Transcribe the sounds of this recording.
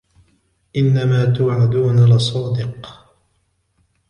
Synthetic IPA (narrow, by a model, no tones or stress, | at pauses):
ʔɪnːamaːt̪ʊːʕad̪uːnalɪsˤɑːd̪ɪq